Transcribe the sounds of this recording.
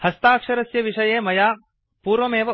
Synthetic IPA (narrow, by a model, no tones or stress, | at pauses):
hɐst̪aːkʂɐɾɐsjɐʋiʂɐjeːmɐjaː | puːɾʋɐmeːʋɐ